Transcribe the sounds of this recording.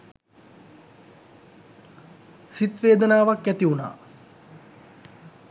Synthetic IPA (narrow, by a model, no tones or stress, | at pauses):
sit̪ʋeːd̪ənaːʋakːæt̪iuna̰ː